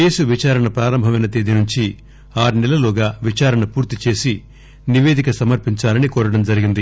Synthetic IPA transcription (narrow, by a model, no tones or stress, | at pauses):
eːsuʋit͡ʃaːɾɐɳɐpɾaːɾɐmbʱɐmɐjnɐt̪iːd̪inuɲt͡ʃi | aːɾinɛlɐlɔːɡaːʋit͡ʃaːɾɐɳɐpuːɾt̪it͡ʃe̞ːsi | niʋe̞ːd̪ikɐsɐmɐɾpiɲt͡ʃaːlɐnikoːɾɐɽɐmd͡ʒɐɾiɡind̪i